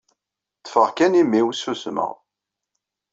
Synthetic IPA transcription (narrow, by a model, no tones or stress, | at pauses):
θə̥fəʁkænimːiwsusmə̰ʁ